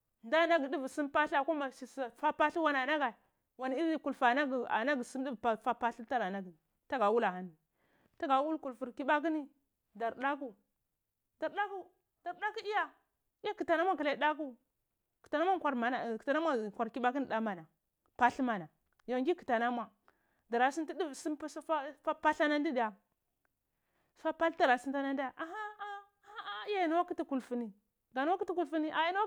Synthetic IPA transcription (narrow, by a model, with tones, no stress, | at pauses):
nda˦˨na˦ɡi˨di˦vu˨si˦mpa˦ɬa˨ko˦ma˨ʃi˨sa˨fa˦pa˦ɬi˦wa˦na˨na˦ɡa˨ | wa˨n˨˦i˦ku˨lfa˨na˦ɡi˨a̰˨na˦ɡi˨si˦m˦di˦vfa˦pa˦ɬi˦ta˦ɾa˨na˦ɡi˨ | ta˦ɡa˨wu˦la˨a˦n˨ | ta˦ɡa˨˦wu˦lku˨lfu˨ɾki˦ɓa˦k̬i˦ni˦ | da˨ɾɗa˦ku˨ | da˨ɾɗa˦ku˦ | d̥a˨ɾda˦ku˦i˦ja˦˨˦ | a˦ki˨ta˨na˦mʷ˦a˦ki˨la˨i˨˦ɗa˦k̬u˦ | ki̥˨ta˨na˦ma˦kʷa˨ɾma˨na˨kta˨na˦mʷa˦˨kʷa˨ɾki˦ɓa˦ki˦n˨ɗa˦ma˨na˨ | pa˦ɬma˨na˨ | jo˨ɡi˦ki̥˨ta˨na˦mʷa˨ | da˨ɾa˨si˦nti˦di˦˨si˦pa˦sa˦a˦fa˦pa˦ɬa˦na˦n˦di˦di˨ja˨ | sfa˦pa˦ɬta˨ɾa˨si˦n˦ta˦na˦nda˦˨ʔa˨ɦa˦˨a˦ja˦ji˨na˦wa˦ki˦ti˦ku˨lfu˦ni˨ | ɡa˨n˦ki˦ti˦ku˨lfu˦ni˦ʔa˨ji˦na˦a˦